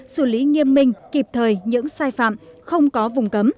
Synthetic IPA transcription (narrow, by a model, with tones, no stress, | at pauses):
sɨ˧˩li˨˦ŋi˧əmːï˧ŋ̟ki˨˩p̚t̪ʰəː˨˩jɲɨ̰˧˥ŋsaː˧jfa̰ː˧˨mxə˧wŋ͡mkɔ˨˦vʊ˨˩ŋ͡mkə˨˦m